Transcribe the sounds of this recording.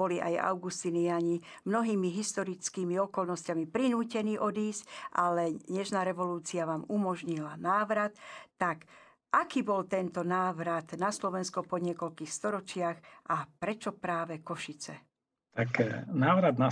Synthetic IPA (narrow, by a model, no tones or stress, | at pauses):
bɔliʔa̰ja̰ʊɡust̪iːnijaɲimnɔɦiːmiɦist̪ɔɾit͡skiːmiɔkɔlnɔscamipɾinuːcɛniːʔɔd̪iːscʔalɛɲɛʃnaːɾɛʋɔluːt͡siaʋaːmumɔʒɲilanaːʋɾat̪ːak | ʔakiːbɔlt̪ɛnt̪ɔnaːʋɾat̪naslɔʋɛnskɔpɔɲɪɛkɔlkiːxst̪ɔɾɔt͡ʃɪaxʔapɾɛt͡ʃɔpɾaːʋɛkɔʃit͡sɛ̰ | t̪aknaːʋɾad̪na